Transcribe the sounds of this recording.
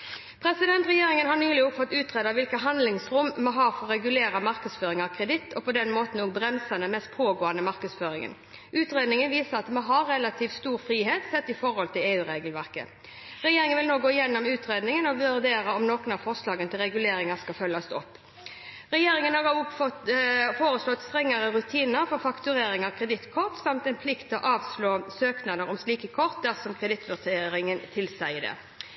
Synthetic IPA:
pʰɾɛsɪd̪ɛnt̪ʁɛjeːɾɪŋənhɑʁnyːlɪɔfɔt̪ːʉːt̪ʁeːd̪ɑʋɪlkəɦɑnd̪lɪŋsɾʊmmɔɦɑːɾfɔɾːɛɡʉleːɾɑmɑɾkəsføːɾɪŋɑkʰɾɛd̪ɪt̪ːʰɔpʰɔd̪ɛnmoːt̪n̩okbɾɛmsɑnəmɛst̪̚pʰoːɡoːɑnəmɑɾkəsføːɾɪŋə̰n | ʔʉːt̪ʁeːd̪nɪŋənʋiːsəʁɑt̪moɦɑɾːɛlɑt̪ʰiːfst̪uːɾfɾiːɦeːt̪sɛt̪ːɪfɔɾhɔlt̪ʰɪleːʉːɾeːɡəlʋæʁkə̰ | ʁɛjeːɾɪŋənʋɪlnoːɡoːɪjɛnːɔmʉːt̪ɾeːd̪nɪŋənɔʋʉɾd̪eːɾəɔmnoːkʊnɑʋfɔʁslɑːɡənt̪ʰɪlʁɛɡʉleːɾɪŋɑskɑfœlːɑst̪ɔpː | ʁɛjeːɾɪŋənhɑʁɑɔfoːɾəslɔt̪ːst̪ɾɛŋːɑɾəɾʉt̪ʰiːnəɾfɔɾfɑkt̪ʉɾeːɾɪŋɑʋkʰʁɛd̪ɪt̪kʰɔʁt̪sɑmt̪ɛnpʰlɪkt̪ʰɔʔɑːʋsloːsøːknɑd̪əɾɔmsliːkəkʰɔʁt̪̚d̪æʁsɔmkʰʁɛd̪ɪt̪ːʋʉɾt̪ʰeːɾɪŋənt̪ʰɪlsæɪd̪ɛ̰

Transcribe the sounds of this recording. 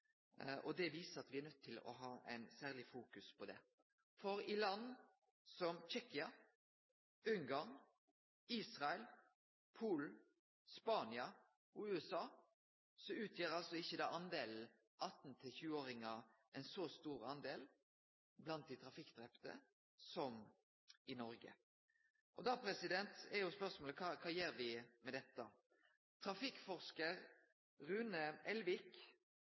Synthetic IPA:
ʔɔd̪ɛʋiːsəɑt̪ʋɪænœt̪ʰːɪlɔ̰ɦɑːʔæ̰ɪnsæːʁlɪfuːkʉspʰɔd̪ɛ̰ | fɔɾɪlɑnː | sɔmçɛkɪɑ | ʉŋɡɑʁn | iːsʁɑɛl | pʰuːln̩ | spɑːnɪɑ | ʉːɛsɑː | sɔʉːt̪ʰjeːʁɑlsɔɪçːəd̪ɑːʔɑnd̪eːln̩ | ʔɑt̪n̩t̪ʰɪlçʉːoːɾɪŋɑɛɪnsɔst̪uːɾɑ̰nd̪eːl | blɑnt̪̚d̪ɪt̪ʰɾɑfɪkːd̪ɾɛpt̪ə̰ | sɔm | ɪnɔɾɡə̰ | ʔɔd̪ɑːpʰɾɛsɪd̪ɛnt̪ɛɾjʊspœʁsmoːləkʰɑːkʰɑːjeːɾʋɪmɛd̪ɛt̪ːə | t̪ʰɾɑfɪkːfɔʁʂkəʁ | ʁʉːnəɛlʋɪk

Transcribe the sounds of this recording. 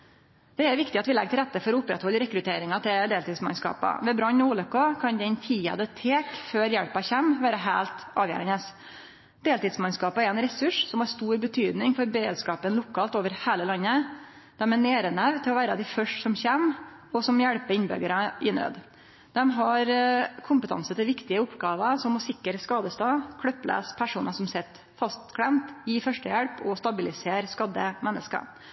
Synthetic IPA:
d̪̥ɛæɾʋɪkt̪ɪɑt̪ʋɪlɛ̰ɡ̚t̪ɪlɾɛt̪ːəfɔɾɔʊpːɾɛ̰t̪hɔlːəɾɛkɾʉt̪ʰeːɾɪŋɑt̪ʰɪld̪eːlt̪ɪːd̪smɑ̰nskɑ̰ːpɑ̰ʋɛbɾɑnːuːlœkːɑkʰɑnd̪ɛnt̪ʰiːɑ̰d̪ət̪ʰeːkføːɾjæɽpɑçɛmʋæːɾəɦæːlt̪ɑːʋjæ̰ːɾənəs | d̪̥eːlt̪ɪːd̪smɑnskɑːpəæɾɛnɾɛsʉʂsɔmhɑɾst̪uːɾbət̪ʰyːd̪nɪŋfɔɾbəɾḛːd̪skɑːpənlʊkʰːɑːlt̪oːʋəɾhæːləlɑnːə | d̪̥ɛmɛneːɾənæʋt̪ʰɪlɔʋæːɾəd̪ɪfœʂʈsɔmçɛm | ɔsɔmjæɽpəɾɪnbʏ̰ɡəɾəʔɪnɾø̰ːd̪ | d̪ɛmɦɑɾkʰʊmpət̪ʰɑ̰nsət̪ʰɪlʋɪkt̪ɪəʊpːɡɑːʋəʂɔmɔsɪkːəɾskɑːd̪əst̪ɑːkʰɽœpːlʔæ̰ːspʰæʂuːnəʂɔmsɛt̪ː | fɑst̪kʰɽɛmt̪jiːfœʂʈəjɛɽpɔst̪ɑbɪlɪseːɾskɑd̪əmɛnːə̰skə̰

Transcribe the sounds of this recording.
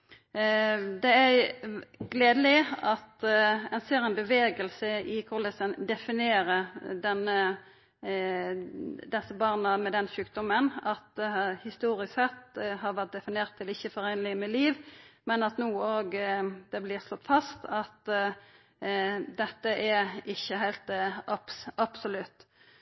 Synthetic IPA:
d̪ɛæɾ | ɡleːd̪əlɪɑt̪ɛnseːɾɛɪnbəʋeːɡəlsəɪkʰʊʁlɛsənd̪ɛfɪneːɾəɾd̪ɛnːə | d̪ɛsːəbɑːʁnəmɛd̪ɛnʃʉːk̚d̪ɔmənɑt̪̚d̪ɛhɑhɪst̪uːɾɪssɛt̪ːɦɑʁʋæʁt̪̚d̪ɛfɪneːʁt̪ʰːɪlɪçːəfɔɾɛɪnlɪəmɛliːʋmɛnɑt̪nuːoːɡd̪̥ɛblɪːʁslɔt̪ːfɑst̪ɑt̪ | d̪ɛt̪ːəʔæɾɪçːəɦæɪlt̪ʔɑpsɑbsʊlʉt̪ː

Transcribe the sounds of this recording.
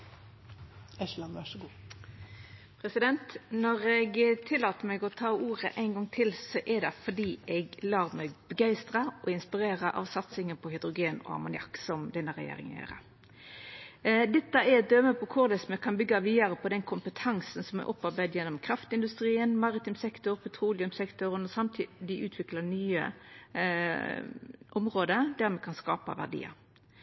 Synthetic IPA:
ɛɑʋæɡ | pʰɾɛsɪd̪ɛnt̪nɔʁɛɡt̪ʰɪlːɑːt̪əɾmɛɡɔt̪ʰɑːuːʁəʔæɪnɡɔŋt̪ʰɪlsɔʔɛd̪ɛfɔd̪iːɛɡlɑːʁmɛɡbəɡæɪst̪ɾɑʔɔɪnspɪɾeːʁəʔɑ̰ʋsɑt̪sɪŋənpʰɔhɪd̪ʁʊɡeːnɔ̰ɑ̰mʊnɪɑ̰kːsɔmd̪ɛnːəʁɛ̰jḛːɾɪ̰ŋə̰njḛːʁə̰ | d̪ɛt̪ːəɛɾɛt̪̚d̪øməpʰɔkʰʊʁɾd̪ɛsɔmɛkʰɑnbʏɡːɑʋiːd̪əɾəpɔd̪ɛnkʰʊmpət̪ʰɑŋsənsɔmɛ̰ʔɔpːɑɾbæɪd̪jɛnːɔmkʰɾɑft̪ɪnd̪ʉst̪ɾiːənmɑʁɪt̪ɪmsɛkt̪ɔɾpʰɛt̪ʰʁuːlɪʉmsɛkt̪ʊɾənɔsɑmt̪ʰiːd̪ɪʔʉːt̪ʰʋɪklɑɳyːə̰ | ʔɔmʁoːd̪əd̪æɾmɛkʰɑnskɑ̰ːpɑ̰ʋæ̰ʁɖ̪ḭːə̰

